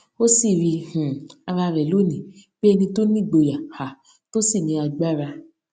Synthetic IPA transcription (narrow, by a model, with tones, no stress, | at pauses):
o˦si˦˨ɾi˧hũ˨a˧ɾa˧ɾɛ˨lo˨˦nĩ˨ | ɡ͡b̥e˦ɛ˧nĩ˧to˦nĩ˦˨ɡ͡bo˧ja˨ha˨ | to˦si˦˨nĩ˧a˧ɡ͡ba˦˨ɾa˧